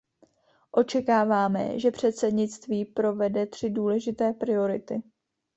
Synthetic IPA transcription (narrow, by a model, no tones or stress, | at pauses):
ʔo̞t͡ʃɛkaːvaːmɛ̰ʒɛpr̝̥ɛt̪sɛdɲɪt͡st̪viːpɾo̞vɛdɛt̪r̝̥ɪduːlɛʒɪt̪ɛːpɾɪo̞ɾɪt̪ɪ